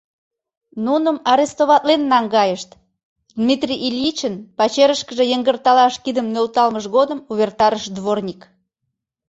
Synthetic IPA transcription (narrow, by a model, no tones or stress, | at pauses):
nunəmɑɾest̪oβɑt̪lenːɑŋɡɑjəʃt̪ | d̪mit̪rʲiʔilʲit͡ɕənpɑt͡ɕeɾəʃkəʒejəŋɡərt̪ɑlɑʃkid̪əmnølt̪ɑlməʃɣod̪əmuβert̪ɑɾəʃd̪βornʲik